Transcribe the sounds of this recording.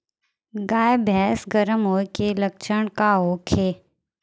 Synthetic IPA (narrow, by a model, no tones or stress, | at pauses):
ɡaːjebʱɛːsɡəɾəmɦoːkeləkʃəɳ̃kaɦoːkʰeː